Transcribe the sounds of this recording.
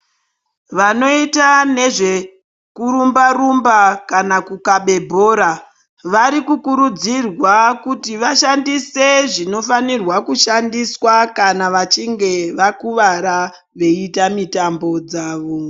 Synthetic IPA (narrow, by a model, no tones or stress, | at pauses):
ʋano̞itane̞ʐe̞ | kuɾumbarumbakanakukaɓe̞bʱo̞ːɾa | ʋaɾikukuɾud͡zirwakutiʋaʃandise̞ʐino̞fanirwakuʃandiswakanaʋat͡ʃiŋɡe̞ʋakuʋaɾa | ʋe̞itamitambo̞d͡zaːʋo